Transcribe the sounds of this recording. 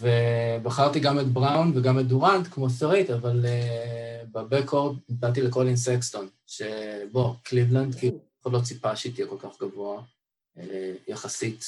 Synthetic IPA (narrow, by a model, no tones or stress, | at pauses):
vebaχaʁt̪iɡamet̪bʁawnveɡamet̚duʁant̪kmosaʁit̪avale | babekoʁd̚it͡salt̬ilekolinsekston | ʃeboklivlandkiluaχotlot͡sipaʃeitijɛko̞lkaχɡavoa | ejaχasit̪